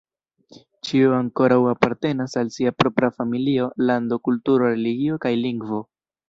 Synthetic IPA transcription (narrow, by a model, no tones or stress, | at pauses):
t͡ʃioaŋko̞ɾawapaɾte̞nasalsiapɾo̞pɾafamilio̞lando̞kultuɾo̞ɾe̞liɡio̞kajliŋɡvo̞